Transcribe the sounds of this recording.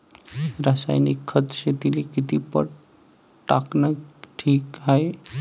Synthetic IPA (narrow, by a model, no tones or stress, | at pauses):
ɾasa̰jnikʰːət̪ʃet̪ilikit̪ipə̰ɽ | ʈaknaʈʰiːkae